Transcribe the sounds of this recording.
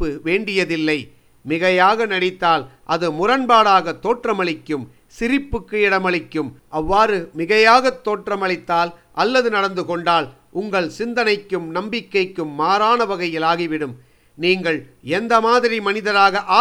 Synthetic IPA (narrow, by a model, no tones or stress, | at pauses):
ɯʋeːɳɖɪjɐðɪlːɐɪ | mɪɣɐjaːɣɐnɐɽɪt̪ːaːlʔɐðɯmʊrɐnbaːɽaːɣɐt̪ːoːʈrɐmɐɭɪkːɯm | sɪɾɪpːɯkːɯɪɽɐmɐɭɪkːɯmʔɐʋːaːɾɯmɪɣɐjaːɣɐt̪ːoːʈrɐmɐɭɪt̪ːaːlʔɐlːɐðɯnɐɽɐnd̪ɯkɔɳɖaːl | ʔʊŋɡɐɭsɪnd̪ɐnɐɪkːɯmnɐmbɪkːɐɪkːɯmːaːɾaːnɐʋɐɣɐjɪlaːɣiʋɪɽɯm | niːŋɡɐɭɛnd̪ɐmaːðɪɾimɐnɪðɐɾaːɣɐʔaː